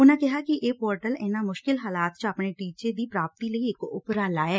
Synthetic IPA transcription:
ʊnãːkɪɦaːkiʔeːpoːɾʈəlɪːnãːmʊʃkɪlɦaːlaːt̪t͡ʃəpneʈiːt͡ʃed̪iːpɾaːp̚t̪iləiɪkʊ̰pɾaːlaːɛː

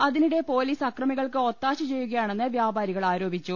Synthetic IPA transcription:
ɐðiniɽe̞po̞ːliːsɐkrɐmiɣɐɭkɨo̞t̪ːaːɕɐt͡ɕe̞jːuɣɐjaːɳe̞nːɨʋjaːbaːɾiɣɐɭaːɾo̞ːbʱit͡ɕːu

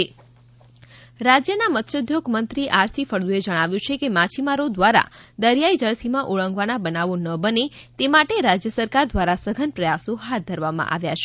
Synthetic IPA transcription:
e | ɾad͡ʒjənamət̪ʃəd̪ʱjoɡmənt̪ɾiʔaɾt̪ʰifəɾd̪ued͡ʒəɽ̃aʋjũt͡ʃʰekemat͡ʃʰimaɾod̪ʋaɾa̰d̪əɾjaid͡ʒəɭsimãʔoɭə̃ŋɡʋanabənaʋonəbənet̪emaʈeɾad͡ʒjəsəɾkaɾd̪ʋaɾasəɡʱənpɾəjasoɦat̪̚d̪ʱəɾʋamã̰ʔa̰ʋjat͡ʃʰe

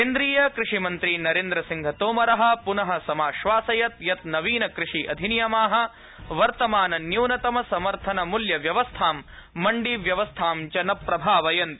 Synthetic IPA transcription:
keːnd̪ɾiːjɐkɾɪʂimɐnt̪ɾinɐɾeːnd̪ɾɐsiŋɡʱɐt̪oːmɐɾɐɦɐ̆punɐɦɐ̆sɐmaːʃʋaːsɐjɐt̪jɐt̪nɐʋiːnɐkɾɪʂiʔɐd̪ʱinijɐmaːɦɐ̆ | ʋɐɾt̪ɐmaːnɐnjuːnɐt̪ɐmɐsɐmɐɾt̪ʰɐnɐmuljɐʋjɐʋɐst̪ʰaːmː | ɐɳɖiʋjɐʋɐst̪ʰaːmt͡ʃɐnɐpːɾɐbʱaːʋɐjɐnt̪

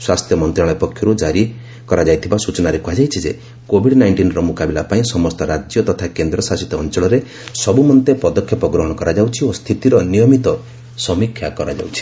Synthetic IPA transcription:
swast̪ʰjɔmɔnt̪ɾaɭ̃ɔpɔkʰjɔɾud͡ʒaɾi | kɔɾad͡ʒajt̪ʰibasut͡ʃɔnaɾekuɦad͡ʒajt͡ʃʰid͡ʒe | kobʱiɽnajɳʈinɾɔmukabilapaĩsɔmɔst̪ɔɾad͡ʒjɔt̪ɔt̪ʰakend̪ɾɔsasit̪ɔːnt͡ʃɔɭɔɾe | sɔbumɔnt̪epɔd̪ɔkʰːjɔpɔɡɾɔɦɔɽ̃ɔkɔɾad͡ʒawt͡ʃʰiost̪ʰit̪iɾɔnijɔmit̪ɔ | sɔmikʰjakɔɾad͡ʒa̰wt͡ʃʰi̥

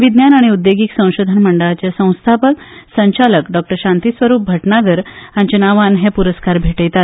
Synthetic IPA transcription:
ʋid̪njanaɽ̃iud̪ːeɡiːksə̃w̃ɕod̪ʱənməɳɖəɭat͡ɕesə̃w̃st̪ʰapək | səɲt͡ɕaləkɖɔk̚ʈəɾɕãnt̪isʋəɾuːp̚bʱəʈnaɡəɾãɲt͡ɕənaʋanɦepuɾəskaɾbʱeʈəjt̪a

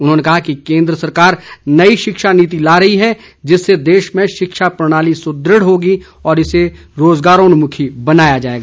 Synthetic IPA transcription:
ʊnɦõːnekɐɦakikẽːnd̪ɾəsɐɾkaːɾnɐiʃɪkʃaniːt̪̬ilaːɾɐɦiɦɛ | d͡ʒɪsːed̪eːʃmẽʃɪkʃapɾɐɽ̃aːlisʊd̪ɾəɽɦoːɡi | ɔːɾɪse | ɾoːzɡaːɾõnʊmʊkʰibɐnaːjad͡ʒaːḛːɡaː

